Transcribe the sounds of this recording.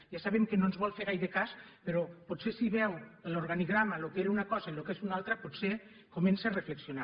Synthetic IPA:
ʒasaβ̞emkenõnzβɔlˠfeɾɣajðekaspeɾopotsesiβɛwloɾɣaniɣɾamalokeɾunakɔzailokezunalˠt̪ɾapot̪se | komensearefleksiona

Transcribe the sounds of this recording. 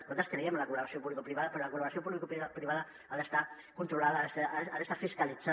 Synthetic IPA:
kont̪askɾeiamlakuβlaasiopuβlikopɾiβaðɐpeɾolakulaβɾasiopuβlikuppɾiβaða | aðest̪a | kunt̪ɾulaðasaaðest̪afiskali̥d͡za

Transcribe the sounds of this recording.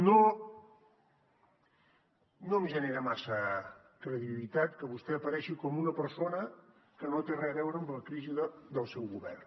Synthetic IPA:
no | noəmʒəneɾəmasə | kɾəðiβilit̪at̪kəβust̪ɛəpəɾɛʃikɔmunəpəɾsonə | kənot̪erɛəβɛwɾəmbələkɾiziðəd̪əlˠsɛwɣuβɛ̰r

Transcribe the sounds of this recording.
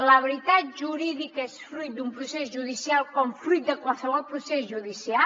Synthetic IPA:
ləβəɾit̪at̪̚ʒuɾiðikəesfɾujt̪̚d̪umpɾusezʒuðisialˠkɔmfɾujt̪̚d̪əkwalˠsəβ̞ɔlˠpɾusezʒuðisia

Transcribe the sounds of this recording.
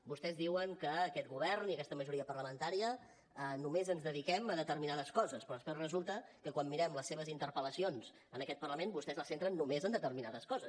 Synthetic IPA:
bust̪ɛzðiwəŋkəːkɛt̪̚ɡuβɛɾniəkɛst̪əməʒuɾiəpərləmənt̪aɾiə | ənumezənzðəðikɛməðət̪əɾminaðəskɔzəspɾɔəspɛrəzulˠt̪əkəkwamːiɾɛmləsːeβ̞əzint̪əɾpələsionz̥ | ənəkɛt̪̚pərləmenbust̪ɛzləsent̪ɾənːumezənd̪ət̪əɾminaðəskɔzəs

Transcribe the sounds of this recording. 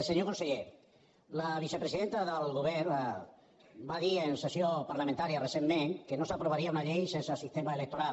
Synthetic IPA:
seɲokonseʎe | laβ̞isepɾesiðent̪aðəlɣoβɛɾ | baðiensesjopaɾlamẽnt̪aɾjaresemːẽŋkenosapɾoβaɾiaunaʎejsensasist̪emaelek̚t̪oɾal

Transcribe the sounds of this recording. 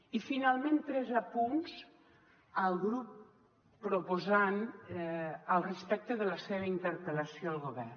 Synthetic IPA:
ifinalˠmẽnt̪ɾɛzapunz̥ | əlˠɣɾupː | ɾopozan | əlˠrəspɛk̚t̪əðələseβəint̪əɾpələsioəlˠɣoβɛ̰r

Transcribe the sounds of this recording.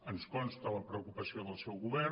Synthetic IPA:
ənskɔnst̪ələpɾəukupəsioðəlˠsɛwɣuβɛ

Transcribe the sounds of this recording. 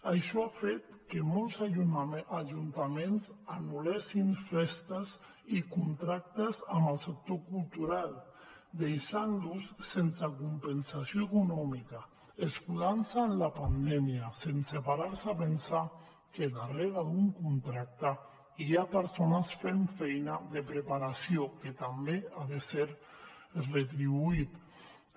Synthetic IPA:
aʃɔafet̪kemɔlˠz | aʒunt̪amenzanulɛsinfɛst̪əz | ikunt̪ɾak̚t̪əzaməlˠsək̚t̪okulˠt̪uɾalˠ | d̪ejʃanlussensakumpənsasioekunɔmika | eskuðansaːnlapand̪ɛmiasensepaɾaɾsapensa | keðareɣaðuŋkunt̪ɾak̚t̪a | iapeɾsonasfeɱfɛjnaðepɾepaɾasjoket̪ambeaðeseɾ | ret̪ɾiβuit̪

